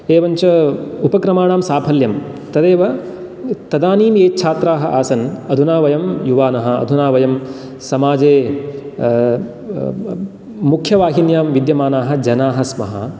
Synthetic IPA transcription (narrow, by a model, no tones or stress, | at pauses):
eːʋɐɲt͡ʃɐupɐkɾɐmaːɳaːmsaːpʰɐljɐm | t̪ɐd̪eːʋɐ | t̪ɐd̪aːniːmeːt͡ʃʰaːt̪ɾaːɦɐ̆ʔaːsɐnɐd̪ʱunaːʋɐjɐmjuʋaːnɐɦɐ̆ɐ̰d̪ʱunaːʋɐjɐm | sɐmaːd͡ʒeː | mukʰjɐʋaːɦinjaːmʋid̪jɐmaːnaːɦɐ̆d͡ʒɐnaːɦɐsmɐɦɐ̰